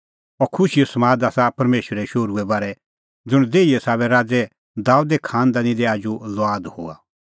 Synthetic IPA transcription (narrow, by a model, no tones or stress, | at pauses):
ɔkʰʊʃijɔsɐmaːd̪aːsapɐɾmeːʃəɾɛʃoːɾuɛbaːɾɛ | d͡zʊɽ̃d̪eːiɛsaːβɛɾaːd͡zɛ | d̪aːud̪ɛkʰaːnd̪anĩd̪ɛaːd͡ʒulɔaːd̪ho̰ːa̰